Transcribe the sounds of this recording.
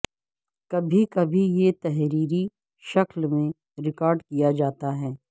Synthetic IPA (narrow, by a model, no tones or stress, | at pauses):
kɐbʱikɐbʱijet̪ɛɦɾiːɾi | ʃɐklmẽ | ɾɪkaːɾɖkijad͡ʒaːt̪aɦɛː